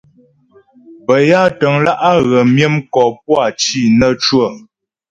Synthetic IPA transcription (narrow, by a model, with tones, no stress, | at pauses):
bə˨ja˦tə˨ŋla˦ʔa˦ɣə˨mjə˦mkɔ˨p̚wa˦˨t͡ʃi˦˨nə˦t͡ʃwə˦˨